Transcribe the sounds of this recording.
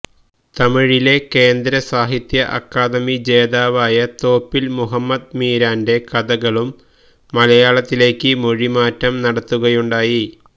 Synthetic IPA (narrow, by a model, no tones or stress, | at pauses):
t̪ɐmiɻile̞ke̞ːnd̪ɾɐsaːɦit̪jɐʔɐkːaːd̪ɐmid͡ʑe̞ːðaːʋaːjɐt̪o̞ːpːilmuɦɐmːɐd̪miːɾaːnde̞kɐðɐɣɐɭumː | ɐlɐjaːɭɐt̪ːile̞ːkːɨmo̞ɻimaːtːɐmnɐɽɐt̪ːuɣɐjuɳɖaːji